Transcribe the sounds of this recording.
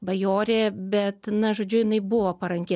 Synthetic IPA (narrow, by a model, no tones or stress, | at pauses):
bɐjoːɾʲeːbʲɛt̪nɐʒoːd͡ʒʲʊjɪnɐɪbʊʋoːpɐɾɐŋʲkʲeː